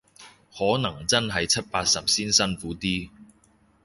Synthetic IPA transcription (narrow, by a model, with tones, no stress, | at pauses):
hɔː˨˥nɐ˨˩ŋt͡sɐ˥nɦɐ˨jt͡sʰɐ˥t̚paː˧t̚sɐ˨p̚siː˥nsɐ˥nfuː˨˥t̪iː˥